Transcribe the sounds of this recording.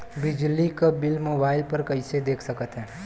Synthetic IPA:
bɪd͡ʒlikabɪlmoːbaːɪlpɐɾkɐɪsed̪eːkʰsɐkət̪ɦɛ̃ː

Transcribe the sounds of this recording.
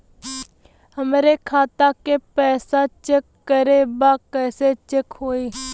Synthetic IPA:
ɦəmɾekʰaːt̪akepɛːsat͡ʃekːəɾebakɛːset͡ʃekɦoːeː

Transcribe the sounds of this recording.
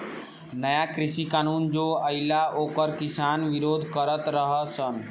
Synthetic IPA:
nəjakɾɪsikaːnuːnd͡ʒoːəɪlaoːkəɾkɪsaːnʋɪɾoːd̪ʱkəɾət̪ɾəɦəsən

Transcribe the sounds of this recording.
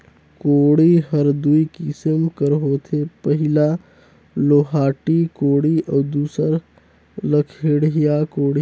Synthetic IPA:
koːɽiɦəɾd̪uikɪsəmkəɾɦot̪ʰepəɦɪla | loːɦaːʈikoːɽiʔɔːd̪uːsəɾ | ləkʰeɽɦjakoːɽi

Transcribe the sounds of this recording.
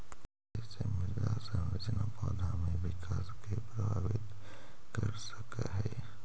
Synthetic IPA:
ɛsemɪzasə̃nɾəd͡ʒnapɔːd̪ʱamẽʋɪkaːskepɾɐbʱaːʋɪt̪ | kɐɾsəkaɦɛː

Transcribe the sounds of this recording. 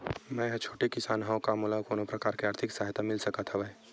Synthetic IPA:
mɛ̃ːɦt͡ʃʰoːʈekɪsaːnɦaw̃kamulakoːnõpɾɐkaːɾkeaːɾt̪ʰɪksaːɦt̪amɪlsəkət̪ʰɦəʋɛ

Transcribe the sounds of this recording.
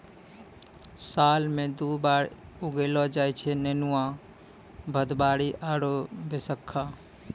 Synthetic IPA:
saːlmẽd̪ubaːɾ | uɡelɔd͡ʒajt͡ʃʰɛnenuã | bʱəd̪baɽiʔaɾobesəkʰːa

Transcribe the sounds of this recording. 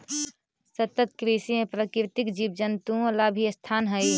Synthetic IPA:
sət̪ət̪kɾisimẽpɾəkɪɾt̪ɪkd͡ʒibd͡ʒənt̪uõlabʱiəst̪ʰaːnɦəi

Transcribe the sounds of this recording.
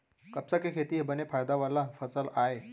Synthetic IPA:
kɐpsakekʰeːt̪iɦebənepʰaːjd̪aʋaːlafʰəsəlaːe

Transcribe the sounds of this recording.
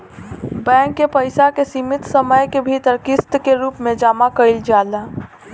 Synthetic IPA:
bɛ̃ːŋkːepəɪsakesiːmɪt̪səməjkebʱit̪əɾkɪst̪keɾuːpmẽd͡ʒaːmakəɪld͡ʒaːla

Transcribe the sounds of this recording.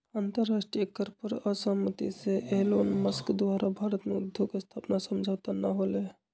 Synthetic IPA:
aːnt̪əɾːaːʂʈɾijəkəɾpəɾəsəɦmət̪ḭseʔeɦloːnməskd̪ʋaːɾabʱaːɾət̪med̪ʱukst̪ʰaːpnasəmd͡ʒʱawt̪anaɦoːle

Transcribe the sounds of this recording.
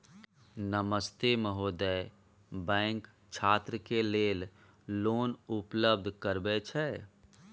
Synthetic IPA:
nəməst̪eməɦoːd̪ə | bɛ̃ːŋk | t͡ʃʰaːt̪ɾəkeleːl | loːnʊpləb̚d̪ʱkəɾbet͡ʃʰɛː

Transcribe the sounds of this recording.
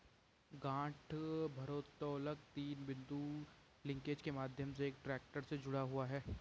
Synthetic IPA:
ɡãːʈʰbʱɐɾoːt̪ɔːlək̚t̪iːnbɪ̃nd̪u | lɪ̃ŋkeːd͡ʒkemaːd̪ʱjəms̬eeːk̚ʈɾɛːk̚ʈəɾsed͡ʒʊɽaɦuaɦɛː

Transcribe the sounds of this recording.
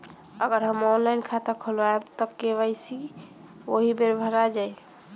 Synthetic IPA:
əɡəɾɦəmɔnlaɪnkʰat̪əkʰolʋaebt̪əkːebəjsi | oɦibeɾbʱəɾad͡ʒaj

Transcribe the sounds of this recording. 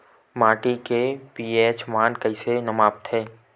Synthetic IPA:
maːʈikepiːeːt͡ʃmaːnkəɪsenɐmaːp̚t̪ʰɛː

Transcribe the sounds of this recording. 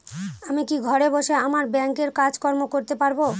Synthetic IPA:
amikiɡʱɔɾeboʃeamaɾbɛŋkeɾkad͡ʑkɔɾmokoɾt̪epaɾbo

